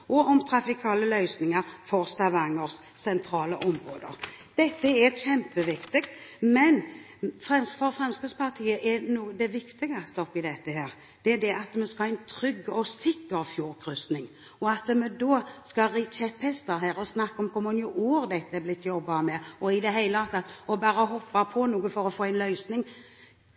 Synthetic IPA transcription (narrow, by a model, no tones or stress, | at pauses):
ʔɔɔmt̪ʰɾɑfɪkʰɑːləlœʏsnɪŋəɾfɔɾst̪ɑʋɑŋːəɾs | sɛnt̪ʰɾɑːləʔɔmʁoːd̪ə̰ɾ | d̪̥ɛt̪ːəɛɕɛmpəʋɪkt̪ɪkt̪mɛn | fɾɛmsfɔɾfɾɛmskəspʰɑʁt̪ʰiːəʔɛnuːəd̪ɛʋɪkt̪ɪɡɑst̪əɔpːɪd̪ɛt̪ːəɦæːɾ | d̪̥ɛɛd̪ɛʔɑt̪mɛskɑhɑɛɪnt̪ʰɾʏɡːɔsɪkːəɾfjuːɾkʰɾʉsnɪŋ | ɔɑt̪mɛd̪oːskɑɾɪt͡ʃɛphɛst̪əɾɦæːɾɔsnɑkːɔmkʰɔmɔnjuʔuːɾd̪ɛt̪ːəɛblɪt̪ːjɔbːɑmɛɔɪd̪ɛɦæɪləɑt̪ʰɑt̪ːɔbɑːɾəɦɔpːɑpʰɔnuːɡəfɔɾɔfoːæɪnlœʏsnɪŋ